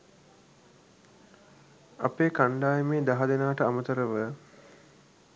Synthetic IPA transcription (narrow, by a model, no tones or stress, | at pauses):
a̰peːkaɳɖaːjemeːd̪aɦad̪enaːʈəamət̪əɾəʋə